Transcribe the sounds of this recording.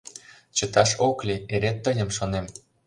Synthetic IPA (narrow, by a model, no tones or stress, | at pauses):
t͡ɕə̆t̪ɑʃoklʲieɾenːəjə̆mʃonem